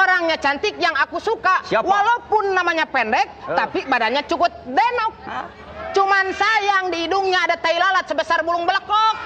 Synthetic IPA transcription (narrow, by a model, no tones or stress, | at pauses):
oɾaŋɲat͡ʃant̪ɪk̚jaŋakusukawalaupʊnːamaɲapɛndɛk̚t̪apibadanɲat͡ʃukʊt̪̚dɛnɔk̚ | t͡ʃumansajaŋdiːduŋɲaːdat̪ailalat̪̚səbəsarbulʊŋbələkɔk̚